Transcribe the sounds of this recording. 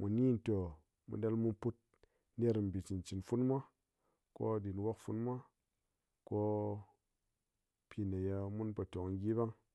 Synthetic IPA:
mu˨ni˦n˨to˨ | mṵ˨da˧lmu˦pu˦t̚ | ne˦ɾm̩˨bi˨t͡ʃi˨nt͡ʃi˨nfu˦nmʷa˦ | ko̰˦˨di˨nwa˦kfu˧nmʷ˦a˦ | ko˦ | pʰʲi˧na˨ja˧mu˦nba˨to˨kŋ˦ɡʲi˦ba˦ŋ

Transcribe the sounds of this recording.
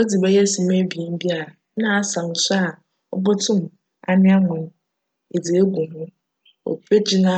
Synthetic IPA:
o˦di˨bɛ˦jɛ˦˨si˨m˦e˦bi˨i˨m̩˦bi˦a˨ɾa˨ | nã˦a˨sa˨n̩˨sa˦˨ | ɔ˦bɔ˦tʰʊ̃˦m˨ | a̰˨˦nɪ̃˦a˦ŋɛ̃˨n˦ | e˨d͡zi˨e˦ɡʷu˨ɦʊ̃˦ | o̰˨pʰe˦d͡ʑɪ˦nã˦

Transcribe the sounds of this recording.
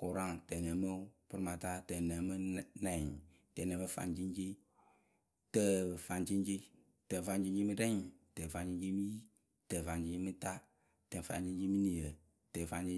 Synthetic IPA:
ko˨ɾa˦ŋtɛ˨nə˨˦mə˦pɨ˧ɾɨ˦ma˨ta˦tə˨nə˨mɨ˦nɛ˨ | tɛ˨nə˨˦mɨ˦fa̰˧˨nd͡ʒi˦nd͡ʒi˦ | tə˧˦˨fa˧nt͡ʃi˦nd͡ʒi˦ | tə˨fa˧nd͡ʒi˧ɲd͡ʒi˦mɨ˦ɾɛ˦ŋtə˨fa˨nt͡ʃi˧˦d͡ʒi˦mɨ˦ji˦ | tə˨fa˨nd͡ʒi˦d͡ʒi˦mɨ˦ta˦ | tə˨fa̰˨nd͡ʒi˦nd͡ʒi˦mɨ˦ni˨ə˨ | tə˨fa˧nd͡ʒi˦

